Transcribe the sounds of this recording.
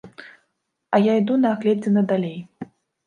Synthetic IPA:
ɐjaid̪unɐːɣlʲɛd͡zʲɛnɐd̪alʲej

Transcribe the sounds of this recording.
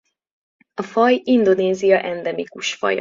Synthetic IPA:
ɒfɒjind̪o̞neːzijɒʔɛnd̪ɛmikuʃfɒ̰j

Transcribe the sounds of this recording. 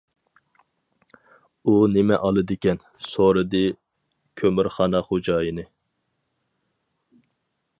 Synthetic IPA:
unɪmɛ̰ʔɑlˠɨd̪ɪkʲɛn | soɾɨd̪ɨ | kʲʰømɪɾχɑːnɑχod͡ʒɑːjinɨ

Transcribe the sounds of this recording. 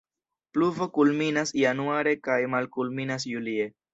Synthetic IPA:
pluvo̞kulminasijanuaɾe̞kajmalkulminas̬julie

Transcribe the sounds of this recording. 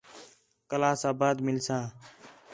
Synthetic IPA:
kəlaːsaːbaːd̪mɪlsãː

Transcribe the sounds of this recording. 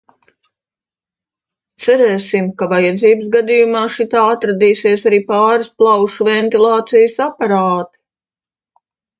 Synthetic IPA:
t̪sæɾɛːsimkavajad̪ziːbɨsɡad̪ijumaːʃit̪aːat̪ɾad̪iːsiɛsaɾiːpaːɾisplˠawʃuvɛnt̪ilˠɑːt̪sijəsapaɾaːt̪i̥

